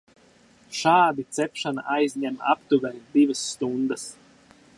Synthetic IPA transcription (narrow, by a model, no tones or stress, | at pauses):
ʃaːd̪it̪sɛpʃana̰ʔajzʲɲʲɛma̰pt̪uɡaɾd̪ivasːt̪und̪əs